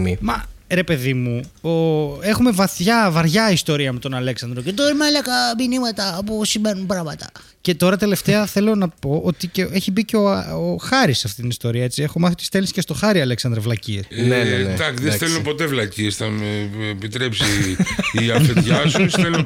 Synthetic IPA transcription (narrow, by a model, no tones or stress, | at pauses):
imɐɾe̞pe̞ðimuoe̞xume̞vɐθʝɐvɐɾʝɐist̪o̞ɾiɐmet̪o̞nɐle̞ksɐnd̪ɾo̞cet̪oɾimɐlɐkɐminimɐt̪ɐpusimenunpɾɐɣmɐt̪ɐ | ce̞t̪o̞ɾɐt̪e̞le̞ft̪e̞ɐθe̞lo̞nɐpo̞ʔo̞t̪icee̞çibiceooxɐɾisːɐft̪it̪inist̪o̞ɾiɐet͡sie̞xo̞mɐθit̪ist̪elisi̥cest̪o̞xɐɾiɐleksɐnd̪ɾɐvlɐciɾnd̪ɐksðesθelunpo̞t̪e̞vlɐciesθɐmeːpit̪ɾe̞psiiɐfet̪ʝɐssθelun